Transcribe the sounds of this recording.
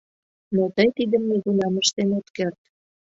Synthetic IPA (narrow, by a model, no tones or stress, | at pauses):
not̪əjt̪id̪ə̆mneɣunɑməʃt̪enot̪kert̪